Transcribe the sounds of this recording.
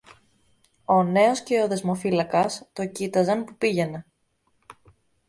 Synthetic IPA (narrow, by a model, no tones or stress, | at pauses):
o̞ne̞o̞sce̞oðe̞zmo̞filɐkɐst̪o̞cit̪ɐzɐnpupiʝe̞ne̞